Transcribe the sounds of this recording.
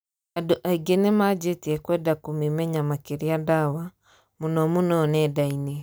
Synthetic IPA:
adoʔaiɡenemad͡ʒetiɛkwɛdakomemɛɲamakeɾiadawa | monɔmonɔnɛdaine

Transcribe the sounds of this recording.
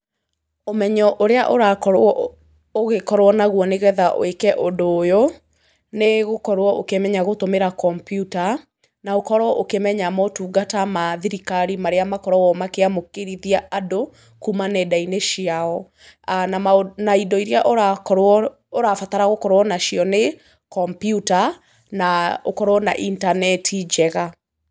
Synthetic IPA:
omɛɲɔʔoɾeaʔoɾakɔ | oɣekɔɾwɔnaɣwɔneɣɛðaʔo̰ekɛʔodoːjo | neɣokɔɾwɔʔokemɛɲaɣotomeɾakɔmpjuta | naokɔɾwɔʔokemɛɲamɔtuːɡatamaðiɾikaɾimaɾeamakɔɾɔwɔmakeamokeɾiðiaado | kumanɛdaineʃiaɔ | ananaidɔiɾeaʔoɾaɔ | oɾafataɾaɣokɔɾwɔnaʃiɔne | kɔmpijuta | nao̰kɔɾwɔna̰ʔintanɛtʰid͡ʒɛɣa

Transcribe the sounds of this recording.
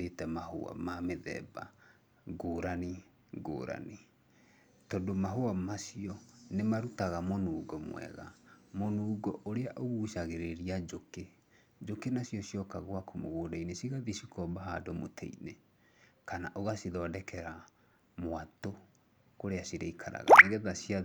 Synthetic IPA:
etɛmaho̰a̰mameðɛ̰ːba̰ | ɡoːɾani | ɡo̰ːɾa̰ni | tɔdomaɦoamasiɔnemaɾutaɣamonuːɡɔmwɛ̰ɣa̰monuːɡɔʔoɾeaʔoɣuʃaɣeɾeɾiad͡ʒoke | d͡ʒokenasjɔsijɔkaɣwakomo̰ɣoːdainesiɣaðisikɔbaɦadɔmo̰tʰɛ̰ḭne | kanaʔoɣasiðɔːdɛkʰɛɾa | moato | koɾeasiɾeikʰaɾa̰ɣa̰neɣɛðasia

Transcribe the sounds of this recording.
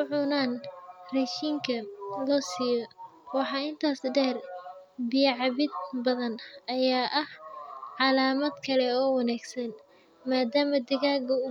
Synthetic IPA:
ʊʕʊnaːnrɛʃiːŋkʰɐlɔːsijɔwɑħɑːɪnt̪ʰaːsɖɛːrbɪjʕɑβɪd̪̚bɐðɐnɐjaːʔɐhʕɑlaːmɐd̪kʰɐlɛɔːwɑnaːɡsɐn | maːd̪aːmɐd̪ɪɣaːɡɐʊ

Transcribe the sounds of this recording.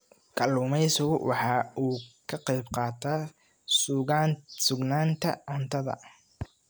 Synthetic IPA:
kʰɐluːmɛjsʊɣʊwʔɑħɑːuːkʰɐqɛjbqɑːt̪ʰaː | sɣasʊɡnaːnt̪ʰɐ̰ʕʊnt̪ʰɐðɐ̰

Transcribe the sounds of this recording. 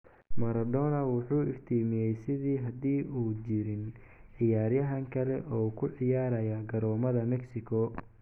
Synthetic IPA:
mɐɾɐd̪ɔːnɐwɑħuːɪft̪ʰiːmɪjɛjsɪðiːɦɐd̪iːʔuːt͡ʃɪɾɪnʕɪjaːɾjɐɦɐŋkʰɐlɛʔɔːkʰʊʕɪjaːɾɐjɐɡɐɾɔːmɐðɐmɛksɪkʰɔ

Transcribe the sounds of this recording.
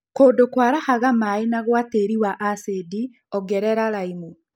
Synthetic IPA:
koːndokwaːɾahaɣamaenaɣwaːteɾiwaʔasedi | ɔɡɛɾɛɾaɾaimu

